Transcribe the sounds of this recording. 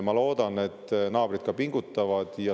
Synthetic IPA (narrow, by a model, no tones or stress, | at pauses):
mɑlo̞ːd̪̥ɑne̞t̪ːnɑːb̥ɾit̪̚kɑpiŋɡ̥ut̪ːˑɑvɑd̪̥jɑ